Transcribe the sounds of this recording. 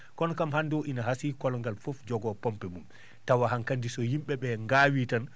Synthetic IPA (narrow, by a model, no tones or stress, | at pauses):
kɔnɔkamhandɔʔinaɦasikɔlɔŋɡalfofd͡ʒɔɡɔpɔmpɛmum | tawaɦankandisɔhimɓɛɓɛŋɡawitan